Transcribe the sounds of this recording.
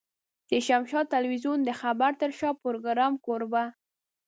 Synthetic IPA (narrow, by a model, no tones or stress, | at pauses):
d̪̥əʃamʃɑt̪alwizund̪əxabaɾt̪əɾʃɑpʊɾoɡɾɑmkoɾba